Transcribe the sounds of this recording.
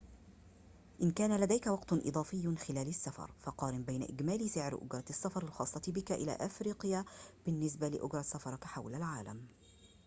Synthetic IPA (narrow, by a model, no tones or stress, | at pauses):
ʔɪnkæːnalad̪æjkawɑqt̪ʊnʔɨ̰d̪ˤɑːfɪjːʊnxɪlæːlasːafɑ̰ɾˤfɑqɑːɾɪmbajna̰ʔɪɡmaːlisɪʕɾʔʊ̰ɡɾˤɑɑsːafɑɾˤɑlxɑːsˤːɑt̪bɪkaʔɪla̰ːʔafɾiːqjab̥ɪnːɪs̬balɪʔʊɡɾˤɑsːafɑɾˤħawlalʕaːla̰m